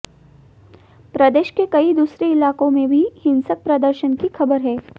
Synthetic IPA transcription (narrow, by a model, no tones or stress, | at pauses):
pɾɐd̪eːʃkekɐid̪uːsɾeɪlaːkõmẽbʱihɪ̃nsək̚pɾɐd̪əɾʃənkixɐbəɾɦɛː